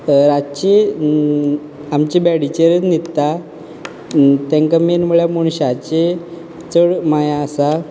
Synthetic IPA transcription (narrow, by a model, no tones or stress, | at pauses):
ɾat͡ɕe | mt͡ɕibɛɽit͡ɕeɾənit̪ːa | t̪ẽŋkamenmuɭjamuɳɕat͡ɕe | t͡səɽmajaːsa